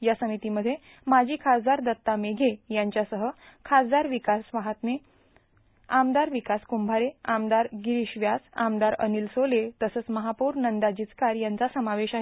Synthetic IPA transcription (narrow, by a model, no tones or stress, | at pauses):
jasəmit̪iːməd̪ʱːje | mad͡ʑʱiːkʰad͡zd̪aɾd̪ət̪ːameɡʱejaɲt͡ɕjasəɦə | kʰad͡zd̪aɾʋikasʋaɦat̪me | amd̪aɾʋikaskumbʱaɾeamd̪aɾɡiɾiɕʋjasa̰md̪aɾə̰niːlsolet̪əsəːt͡sməɦapuːɾnənd̪ad͡ʑiːt͡skaɾjant͡sasəmaʋeɕaɦe